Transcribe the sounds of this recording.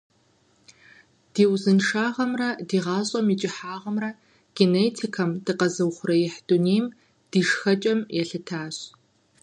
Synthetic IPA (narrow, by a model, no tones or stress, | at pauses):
d̥iːwzɨnʂaːʁɐmrɐdiːʁɑːɕʼɐmit͡ʃʼɪħaːʁɐmrɐ | ɡ̥eneːtʰikʰɐmd̥ɨqɐzɨwχʷʊrɐjɪħd̥uneːm | d̥iːʂxɐt͡ʃʼɐmjɛɬɨtʰaːɕ